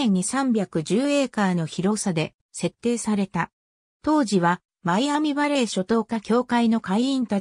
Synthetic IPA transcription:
ẽɲ̟ːisãmbʲjakɯ̟ʑɨːe̞ːkaːno̞çiɾo̞sad̪e̞ | se̞t̪ːe̞ːsaɾe̞t̪a | t̪o̞ːʑiβa | maiamʲiβaɾe̞ːɕo̞t̪o̞ːkakʲo̞ːkaino̞kaiĩnt̪a

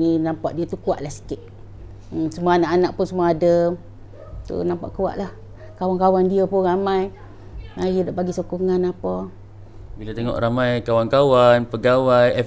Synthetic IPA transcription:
ninãmpaʔdiət̪ukua̰ʔlahsi̥kɪt̪̩̚ | səmuaanaʔanaʔpʊnsəmuaːdə | t̪ṵnampaʔkua̰ʔlah | kawankawandiəpʊnɾamaj | majdaʔbaɡisokuŋanapɔ | bilat̪eŋɔ̰ʔɾamajkawankawanpəɡawajɛ

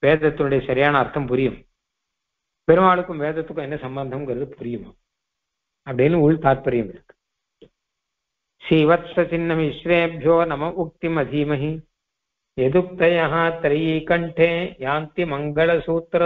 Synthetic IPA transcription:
ʋeːd̪ʱɐt̪ːunɐɽeʃɐɾjaːnɐːɾt̪ʰɐmpuɾijɐm | peɾuʋaːɭukumʋeːd̪ʱɐt̪ːukɐnːɐsɐmbɐnd̪ʱɐmɡɐɾɐd̪upuɾijumɐ | ɐpɐɽeːnuuɭt̪aːɾpɐɾjɐmlk̪ | ʃiːʋɐt̪sɐt͡ʃinːɐmiʃɾeːɐbʱjoːnɐmɐʔuk̚t̪imɐd̪ʱiːmɐɦi | jed̪up̚t̪ɐjɐɦɐt̪ɾɐjiːkɐɳʈʰeːjaːnt̪imɐŋɡɐɭɐsuːt̪ɾɐ

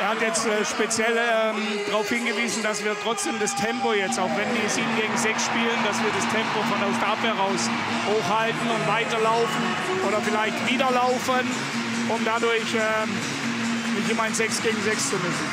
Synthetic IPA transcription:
ʔeːɐhatjɛt͡stɛːʃpet͡sjɛlɛːm | d̥ʁaʊfhɪnɡəviːzn̩dasv̥iːɐtʁ̥ɔt͡sd̥eːmdastʰɛmpojɛt͡staʊxvɛnviːɐziːbm̩ɡeːɡŋ̩zɛksʃpiːləndasviːɐɾastʰɛmpofɔndɐʊsʃtaphɛʁaʊs | hoːxhaltn̩ʊntv̥aɪtɐlaʊfn̩ | ʔoːɾɐfɪlaɪçtv̥iːdɐlaʊfən | ʔʊmdadʊɐçɛː | nɪçɪmaɪnzɛksɡ̥eːɡŋ̩zɛkst͡sunʏsn̩

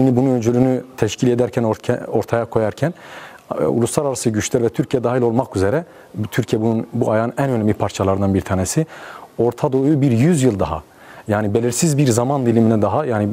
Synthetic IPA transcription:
inibunuønd͡ʒylʲynyt̪ʰɛʃcʰilʲed̪æɾcʰænʰo̞ɾt̪ʰajakʰo̞jaɾcʰæn | ṵuslˠaɾaɾasɯɟyt͡ʃlʲæɾvɛt̪ʰyɾcʰijɛd̪aːaɦilʲo̞lˠmakyzeɾɛ | t̪ʰyɾcʰijɛbununbuajaːɯnænønɛmlʲipʰaɾt͡ʃʰalˠaɾɯnanbiɾt̪ʰaːnesio̞ɾt̪ʰad̪o̞jubiɾjyzjɯlˠd̪aɦa̰ | jaːnibelʲiɾsizbiɾzamand̪ilʲiminɛd̪aɦajaːni

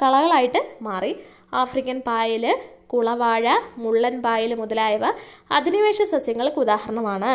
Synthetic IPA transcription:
kɐɭɐɣɐɭaːjiʈːɨmaːri | aːfrikʲːɐnpaːjilɨkuɭɐʋaːɻɐmuɭːɐnpaːjilmuðɐlaːjɐʋɐɐd̪ʱiniʋeːʂɐsɐsjɐŋːɐɭkɨud̪aːhɐɾɐɳɐmaːɳɨ

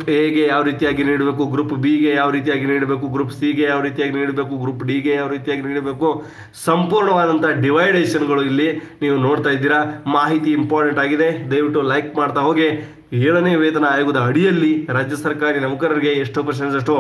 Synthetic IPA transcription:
pɦeːɡe̞jaːʋɾiːt̪ijaːɡiniːɽbeːkuɡɾuːpbiɡe̞jaːʋɾiːt̪ijaːɡiniːɽbe̞ːkuɡɾuːpsiɡe̞jaːʋɾiːt̪ijaːɡiniːɽbe̞ːkuɡɾuːpɖiːɡejaːʋɾiːt̪ijaːɡiniːɽbeːku | sɐmpuːɾɳɐʋaːd̪ɐnt̪ʰɐɖiʋɐjɖeːʃɐnɡɐɭuilːiniːʋuno̞ːɽt̪aːjd̪iːɾɐmaːɦit̪iːmpaːɾʈeɳʈaːɡid̪e̞d̪ɐjʋiʈːulɐjkmaːɖt̪ɐɦo̞ːɡi | eːɭɐneːʋeːt̪ɐnɐaːjuɡud̪ɐːɽijɐlːiɾaːd͡ʒjɐsɐɾkaːɾinɐmukɐɾɐɾiɡe̞eʂʈupɾɐʃensɐʂʈu

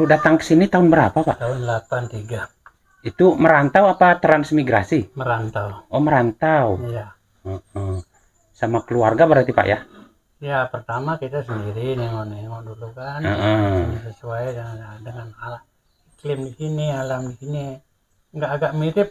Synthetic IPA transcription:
ludat̪aŋkə̥sinit̪aʊnbəɾa̰papa̰t̪aʊnlapant̪iɡa | it̪uməɾant̪awapat̪ɾansmiɡɾasiməɾant̪auɔməɾant̪auja | əə | samakəluarɡabəɾart̪ipa̰ʔja | japərt̪amakit̪asəndiɾiniŋɔnɛŋɔʔdulukanəʔənasəsuaidədəŋanala | iklɪmdikinialamdikini | ŋɡaʔːɡaʔmiɾip̚

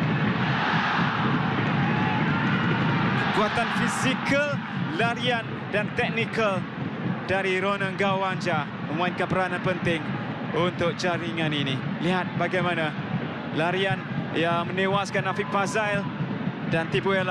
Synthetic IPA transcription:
kəkuat̪anfizikəl | laɾian | dant̪ɛk̚nikəl | daɾiɾonəŋɡawand͡ʒa | mə̃muainkanpəɾanãnpənt̪ɪŋ | unt̪ʊk̚t͡ʃaɾiŋãniniliɦat̪̚baɡajmãna | laɾianjamə̃nẽwaskanafɪk̚fazaildant̪ibuɛl

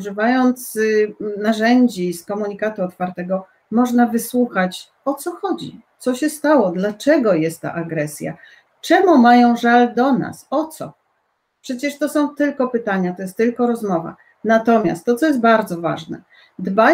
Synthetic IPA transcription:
ʐɘvajɔnt̪snaʐɛɲd͡ʑiskɔmuɲikat̪uɔt̪faɾt̪ɛɡɔ | mɔʐnavɘswuxat͡ɕ | ɔt̪sɔxɔd͡ʑḭt̪sɔɕɛst̪awɔd̪lat͡ʂɛɡɔjɛst̪ːa̰ʔaɡɾɛsʲja̰ | t͡ʂɛmumajɔ̃w̃ʐald̪ɔna̰sɔt̪sɔ̰ | pʂɛt͡ɕɛʂt̪ɔsɔ̃w̃t̪ɘlkɔpɘt̪aɲat̪ɔjɛst̪ːɘlkɔɾɔzmɔva̰ | nat̪ɔmʲja̰st̪ːɔt̪sɔjɛs̬t̪baɾd̪zɔva̰ʐnɛ̰ | d̪ba

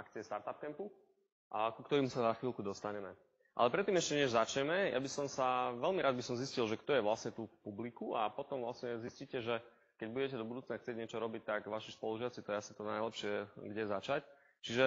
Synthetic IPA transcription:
akt͡siɛst̪aɾt̪ap̚kɛmpu | kukt̪ɔɾiːmusazaxʋiːlˠkud̪ɔst̪aɲɛmɛ | ʔa̰lɛpɾɛt̪ːiːmɛʃcɛɲɛʒzat͡ʃɲɛmɛjʔa̰bisɔmsaʋɛlmiɾaːd̪bisɔmziscilʒɛkt̪ɔjɛʋlasɲɛt̪ufpublikuapɔt̪ɔmʋlasɲɛzisciːcɛʒɛ | kɛɟbuɟɛcɛd̪ɔbud̪uːt͡snaxt͡sɪɛɟɲɪɛt͡ʃɔɾɔbic̚t̪ːaɡʋaʃispɔluʒɪat͡sit̪ɔasi̥t̪ɔnajlɛpʃɪɛɡɟɛzat͡ʃac | t͡ʃiʒɛ

